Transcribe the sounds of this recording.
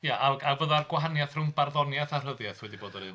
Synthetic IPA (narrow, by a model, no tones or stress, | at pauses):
jaʔaavəðarɡwaɦanjaθrʊnbarðɔnjaθar̥əðjaθwɛdiboːdɔɾɨn